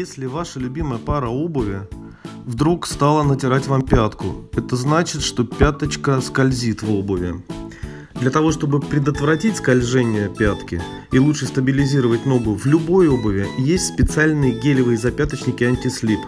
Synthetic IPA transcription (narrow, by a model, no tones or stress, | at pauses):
jesʲlʲɪvaʂəlʲʊbʲiməjəpaɾəo̞bəvʲɪ | vd̪ɾukst̪alˠənətʲɪɾatʲvampʲat̪kʊ̰ɛt̪əznat͡ɕɪt̪ʂt̪o̞pʲat̪ət͡ɕkəskɐlʲzʲit̪vo̞bəvʲɪ̰ | d̪lʲət̪ɐvo̞ʂt̪obɨpɾʲɪd̪ət̪vɾɐtʲitʲskɐlʲʐɛnʲɪjəpʲat̪kʲɪ̰ | ilˠutʂɨst̪əbʲɪlʲɪzʲiɾəvətʲno̞ɡʊvlʲʊbo̞jo̞bəvʲɪjesʲtʲspʲɪt̪sɨalʲnɨjəɡʲelʲɪvɨjɪzɐpʲat̪ət͡ɕnʲɪkʲɪanʲtʲɪslʲip